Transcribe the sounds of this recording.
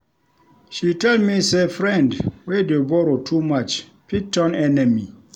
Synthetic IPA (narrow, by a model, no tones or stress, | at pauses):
ʃitɛldmisefɹɛ̃ndwedebɔɹotʰumat͡ʃ | pik̚tɔ̃nɛnɛmi